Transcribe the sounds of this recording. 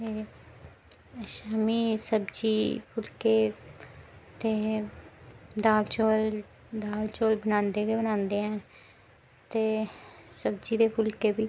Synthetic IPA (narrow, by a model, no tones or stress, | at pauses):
eː | ʃaːmiːsəbd͡ʒiːpʰʊlkeː | t̪eː | d̪aːlt͡ʃoːl | d̪aːlt͡ʃoːlbənãːnd̪eːɡeːbənãːnd̪eːɦɛ̃ː | t̪eːsəbd͡ʒiːd̪eːpʰʊlkeːbiː